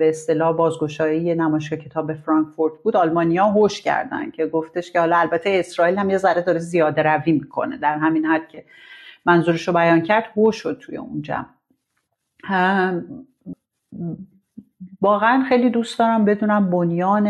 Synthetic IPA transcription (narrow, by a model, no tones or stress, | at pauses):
beːst̪e̞lɒːhbɒːzɡo̞ʃɒːijenæmɒːjeʃ̬kɒcʰe̞t̪ʰɒːbe̞fɾɒŋkfoɾt̪ʰbuːd̪ɒlmɒːnijɒːɦoʃcʰæ̰ɾd̪æ̰nd̪̥cʰe̞ɡoft̪e̞ʃce̞hɒːlɒælbæt̪ʰeesɾɒːilhæmjezæɾed̪ɒːɾezijɒːd̪eɾæviːmikʰo̞̰ne̞̰d̪æɾɦæminhæd̪̥cʲʰe̞ | mænzuːɾeʃobæjɒːncʰæɾd̪̥hoʃod̪̚t̪ʰujḛund͡ʒæ̰m | vɒːɣeænxe̞jlid̪uːstd̪ɒːɾæmbe̞d̪uːnæmbo̞njɒːne